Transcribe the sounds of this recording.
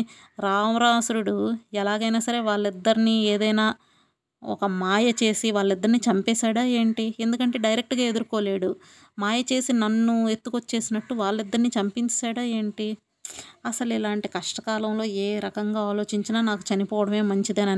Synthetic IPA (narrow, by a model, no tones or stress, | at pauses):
ɾaːmɾaːsuɾuɽuɛlaːɡɐjnaːsɐɾe̞ːʋaːɭːid̪ːɐɾinieːd̪ɐjnaː | ɔ̰kɐmaːjɐt͡ʃe̞ːsiʋaːɭːid̪ːɐɾnit͡ʃɐmpɛːsaːɽaːe̞ːɳʈie̞nd̪ukɐɳʈe̞ːɖɐjɾek̚ʈɡaːe̞d̪uɾuko̞ːle̞ːɽu | maːjɐt͡ʃe̞ːsinɐnːue̞t̪ːuko̞t͡ʃːe̞ːsinɐʈːuʋaːɭːid̪ːɐɾnit͡ʃɐmpiɲt͡ʃaːɽaːeːɳʈi | ɐsɐlilaːɳʈikɐʂʈɐkaːlɐmlo̞ːeːɾɐkɐŋɡaːaːlo̞ːt͡ʃiɲt͡ʃinaːnaːku̥t͡ʃɐnipɔːʋɐɽɐme̞ːmɐɲt͡ʃid̪ɐnɐn